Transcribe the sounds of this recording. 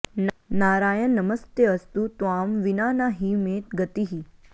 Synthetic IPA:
naːɾaːjənːɐməst̪eɐst̪ut̪uaːmʋinaːnaːɦimeːt̪̚ɡət̪iɦi

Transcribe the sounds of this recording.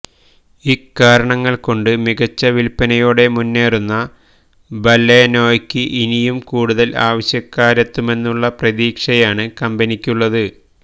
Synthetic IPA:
ikːaːɾɐɳɐŋːɐɭko̞ɳɖɨmiɣɐt͡ɕːɐʋilpːɐnɐjoːɽe̞munːe̞ːrunːɐ | bɐlːeno̞ːjkʲːɨʔinijumkuːɽuðɐla̰ːʋɐɕjɐkːaːɾɐt̪ːume̞nːuɭːɐprɐðiːkʂɐjaːɳɨkɐmbɐnikʲːuɭːɐðɨ

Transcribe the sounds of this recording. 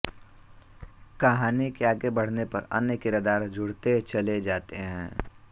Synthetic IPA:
kɐɦaːnikeaːɡebɐɽ̤nepɐɾɐ̰njəkɪɾɐd̪aːɾd͡ʒʱʊɽt̪et͡ʃɐled͡ʒaːt̪eɦɛ̃ː

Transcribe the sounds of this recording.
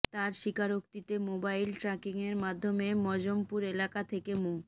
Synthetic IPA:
t̪aɾʃikaɾokt̪it̪emobajlʈɾakiŋeɾmad̪ʱːomemɔd͡ʑompuɾelakat̪ʰekemu

